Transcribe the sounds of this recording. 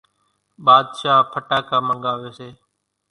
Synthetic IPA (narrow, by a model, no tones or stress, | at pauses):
ɓaːd̪ʃaːpʰəʈaːkaːməŋɡaːʋeːseː